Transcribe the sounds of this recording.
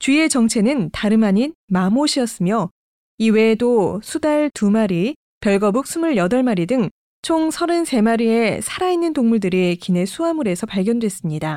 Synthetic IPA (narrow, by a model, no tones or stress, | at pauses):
t͡ɕɥie̞t͡ɕʌŋt͡ɕʰe̞nɯntaɾɯmaɲinmamoɕʰiʌs͈ɯmjo | iwe̞dosʰudaɭtumaɾi | pjʌɭɡʌbuk̚s͈umuɭjʌdʌɭmaɾidɯŋ | t͡ɕʰoŋsʰʌɾɯnse̞maɾie̞sʰaɾainːɯntoŋmuɭdɯɾikine̞sʰuamuɾe̞sʰʌpaɭɡjʌndwe̞s͈ɯmɲida